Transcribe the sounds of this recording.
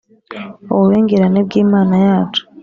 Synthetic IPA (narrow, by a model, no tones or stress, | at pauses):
oβeːŋɡeɾaneβɡiːmaːnajaːtʰu̥